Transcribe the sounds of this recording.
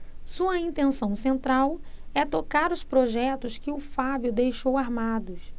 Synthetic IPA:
suɐĩt̪ẽsɐ̃w̃sẽnt̪ɾawɛt̪okaɾʊspɾoʒɛt̪ʊskɪʊfabjʊd̪ejʃowaɾmad̪ʊs

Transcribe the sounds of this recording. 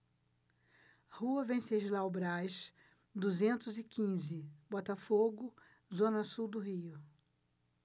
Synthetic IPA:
huɐvẽsed͡ʒɪlawbɾajʃ | d̪uzẽnt̪ʊzɪkĩzɪbɔt̪ɐfoɡʊ | zõnɐsuwd̪ʊɦiʊ

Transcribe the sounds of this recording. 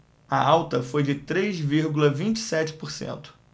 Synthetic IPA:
ɐawt̪ɐfojd͡ʒɪt̪ɾezviɾɡulɐvĩnt͡ʃɪ̥sɛt͡ʃɪ̥poɾsḛ̃nt̪ʊ̥

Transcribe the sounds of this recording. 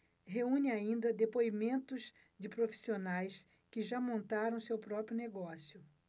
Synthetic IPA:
ɦeũɲɪaĩnd̪ɐd̪epoimẽnt̪ʊz | d͡ʒɪpɾofi̥sionajs | kɪʒamõnt̪aɾɐ̃w̃sewpɾɔpɾjʊneɡɔsjʊ

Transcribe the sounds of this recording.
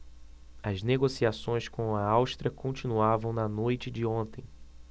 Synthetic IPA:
ɐzneɡosiasõj̃skõw̃ɐawʃt̪ɾɐkõt͡ʃinuavɐ̃w̃nɐnojt͡ʃɪd͡ʒɪõnt̪ẽj̃

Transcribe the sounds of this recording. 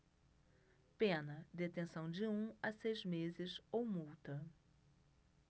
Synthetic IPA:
pẽnɐd̪et̪ẽsɐ̃w̃d͡ʒɪũɐsejzmezɪzowmuwt̪ɐ

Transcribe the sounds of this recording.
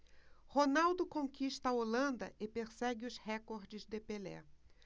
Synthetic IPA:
honawd̪ʊkõŋkiʃt̪ɐolɐ̃nd̪ɐʔɪpeɾsɛɡɪʊshɛkoɾd͡ʒɪzd̪epelɛ̰

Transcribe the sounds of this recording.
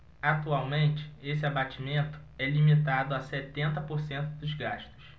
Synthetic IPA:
at̪uawmẽnt͡ʃɪ̥esɪabat͡ʃimẽnt̪ʊ̥ | ɛlimit̪ad̪ʊasɛt̪ẽnt̪ɐpoɾsẽnt̪ʊd̪ʊzɡaʃt̪ʊ̥s

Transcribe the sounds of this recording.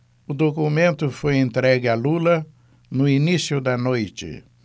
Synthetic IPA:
ʊd̪okumẽnt̪ʊfojẽnt̪ɾɛɡɪɐlulɐ | nʊinisjʊd̪ɐnojt͡ʃɪ̰

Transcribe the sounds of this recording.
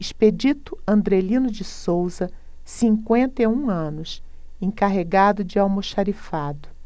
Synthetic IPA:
iʃped͡ʒit̪ʊɐ̃nd̪ɾelĩnʊd͡ʒɪsowzɐ | sĩŋkwẽnt̪eũɐ̃nʊs | ẽŋkaɦeɡad̪ʊd͡ʒɪawmoʃaɾifad̪ʊ

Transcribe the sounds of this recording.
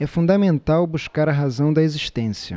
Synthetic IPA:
ɛfũd̪ɐmẽnt̪awbuʃkaɾɐɦazɐ̃w̃d̪ɐeziʃt̪ẽsiɐ̰

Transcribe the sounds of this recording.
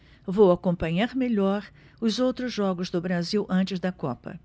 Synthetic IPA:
vowakõpɐ̃ɲaɾmeʎɔɾ | ʊzowt̪ɾʊzʒɔɡʊzd̪ʊbɾaziwʔɐ̃nt͡ʃɪzd̪ɐkɔ̰pɐ̰

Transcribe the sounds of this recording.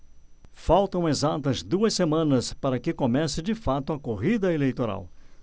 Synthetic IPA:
fawt̪ɐ̃w̃ezat̪ɐzd̪uɐsːemɐ̃nɐspaɾɐkɪkomɛsɪd͡ʒɪfat̪ʊɐkoɦid̪ɐelejt̪oɾa̰w

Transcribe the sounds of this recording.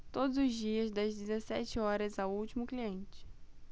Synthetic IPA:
t̪od̪ʊzʊzd͡ʒiɐzd̪ɐzd͡ʒɪzesɛt͡ʃɪɔɾɐzawuwt͡ʃimʊkliẽnt͡ʃɪ̥

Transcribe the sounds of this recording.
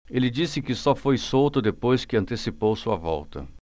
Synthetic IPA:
elɪd͡ʒisɪkɪsɔfojsowt̪ʊd̪epojskɪɐ̃nt̪esipowsuɐvɔ̰wt̪ɐ̰

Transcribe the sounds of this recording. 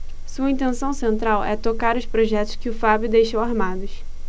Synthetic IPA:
suɐĩt̪̬ẽsɐ̃w̃sẽnt̪ɾawɛt̪okaɾʊspɾoʒɛt̪ʊ̥ʃkɪʊfabjʊd̪ejʃowaɾmad̪ʊʃ

